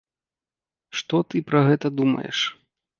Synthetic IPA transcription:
ʂt̪ɔt̪ɨpɾɐɣɛt̪ɐd̪umɐ̰jɛ̰ʂ

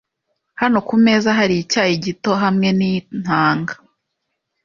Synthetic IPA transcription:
hano̞kume̞zaɦaɾicaːjiɟito̞ɦamŋe̞nin̥haːŋɡa

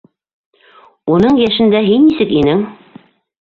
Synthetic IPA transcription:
unɤɴjæʃɘ̆nd̪æɦinːisɘkinɘŋ

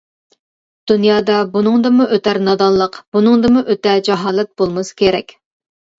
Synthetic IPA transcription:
d̪̥unjɑːd̪ɑbunɨŋd̪ɨmuʔøt̪ʰæɾnɑd̪ɑnlˠəqb̥unɨŋd̪ɨmuʔøt̪ɛd͡ʒɑɦɑːlˠɛt̪̚bolˠmɨskʲʰeɾɛkʲ

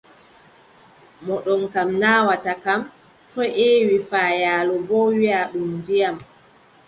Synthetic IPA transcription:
mɔɗɔnkamnaːwatakam | tɔʔewifaːjaːlɔbɔwiaɗumdijam

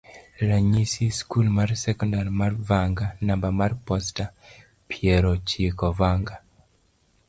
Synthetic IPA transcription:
ɾaɲisiskulmarsɛkɔndaɾmarvaŋɡanambamarpɔsta | pʰjɛɾɔt͡ʃekɔvaŋɡa

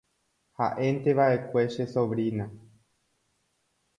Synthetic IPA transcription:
ha̰ʔe̞nt̪e̞ʋaʔe̞kʷe̞ʃe̞so̞ʋɾinã

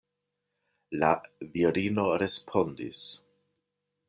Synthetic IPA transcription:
laviɾino̞ɾe̞spʰo̞ndḭs

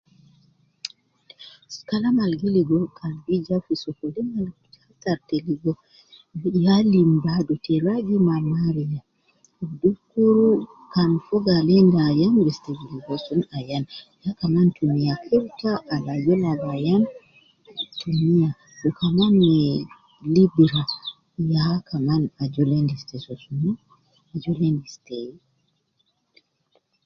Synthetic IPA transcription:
skalamalɡiliɡɔkʰanɡid͡ʒafisɔkɔliŋaltataɾteliɡɔ | jalimbadɔtɛɾaɡimamaɾija | dufkuɾu | kanfɔɡalɛndajanbɛsteɡiliɡɔsunajanjakamantumijakʰɛɾtaʔːlajɔlalajan | tʰumija | ɗukamanːɛ | libɾa | jakʰamanad͡ʒɔlendistɛsɔsun | d͡ʒɔlendistɛ

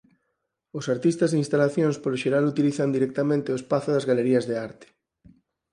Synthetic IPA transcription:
ʊsaɾt̪ist̪ɐzðinst̪alaθjõŋspoloʃeɾalut̪iliθand̪iɾɛk̚t̪amẽnt̪eoespaθʊðazɣaleɾiɐzðeaɾt̪ɪ̥

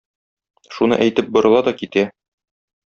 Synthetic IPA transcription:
ʃunɤ̰ʔæjt̪ɘp̚bŏɾɤ̆lˠɑd̪ɒkit̪æ

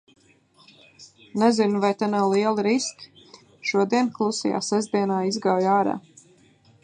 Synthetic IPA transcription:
nɛzinuvajt̪anawlˠiɛlˠiɾisk | ʃuɔd̪iɛnklˠusḭja̰ːsɛzd̪iɛnaːizɡawjaːɾa̰ː

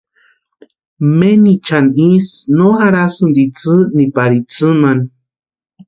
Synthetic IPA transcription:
menit͡ʃanisnohaɾasɨnd̪it͡sɨnipaɾit͡sɨman

